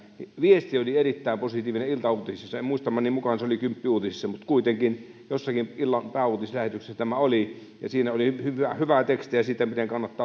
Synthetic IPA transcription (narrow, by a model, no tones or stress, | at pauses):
niʋiest̪iolierit̪ːæˑimposit̪ˑiːʋineilt̪ɑuːt̪isisɑseemuist̪ɑmːɑnimmukɑnseolikympːiuːt̪isisːɑmut̪kuit̪eŋkin | josːɑkimilːɑnpæːuˑːt̪islæhet̪ykse̥sːæt̪æmæoli | jɑ̰siːnæoliyhyæhyʋæt̪ekst̪ijɑsiːt̪æmit̪eŋkɑnːɑt̪ːɑː